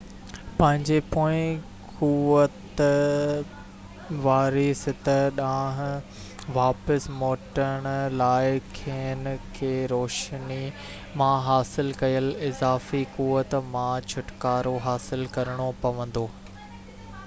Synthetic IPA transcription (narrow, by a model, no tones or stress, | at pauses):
pɐ̃ɦɪ̃ɲd͡ʑepoːɪ̃ | kuʋət̪ | ʋaːɾisɪt̪əɗãːɦ̆ | ʋaːpəsmoːʈəɽ̃laːɪkʰeːn̆kʰeːɾoːʃni | mãɦaːsɪlkɐjəlɪzaːfikuːʋət̪mãt͡ɕʰʊʈkaːɾoɦaːsɪlkɐɾəɽ̃opɐʋə̃nd̪oː